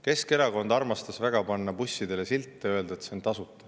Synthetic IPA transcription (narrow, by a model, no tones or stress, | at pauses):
ke̞ske̞ɾɑko̞nd̪̥ɑrmɑst̪ɑsvæɡ̥ɑpɑnːɑpusʲːid̪e̞lesilt̪ˑːeø̞ld̪̥et̪sent̪ɑsut̪ːˑɑ̥